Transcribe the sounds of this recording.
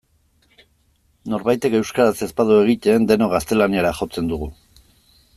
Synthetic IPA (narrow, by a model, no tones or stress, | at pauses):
no̞ɾβajt̪e̞ke̞wskaɾase̞spaðue̞ɣ̞it̪end̪e̞no̞ɣ̞ast̪e̞laniaɾaʝo̞t͡se̞nd̪uɣ̞u